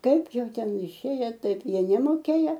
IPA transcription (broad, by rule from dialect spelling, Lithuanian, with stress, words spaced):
ˈkɐɪp ˈjɛʊ ˈtʲɛn ɪˈʃʲeːjɛ ˈtɐɪp ˈjiɛ nʲɛmoːˈkʲeːjɛ